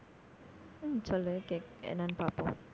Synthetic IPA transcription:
t͡ʃɔləkɛk̚ɛ̰nanpapɔ

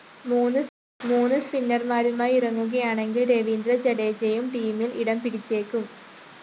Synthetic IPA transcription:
muːnːɨ | muːnːɨspinːɐrmaːɾumaːjirɐŋːuɣɐjaːɳe̞ŋɡilɾeʋind̪rɐt͡ɕeɽeːd͡ʑejumʈiːmiliɽɐmpiɽit͡ɕːe̞ːkːum

